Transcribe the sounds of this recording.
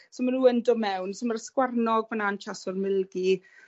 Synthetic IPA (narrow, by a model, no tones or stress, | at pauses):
somanuːəndɔmɛwnsɪmaɾəskwarnɔɡvanant͡ʃʰasɔrmɪlˠɡi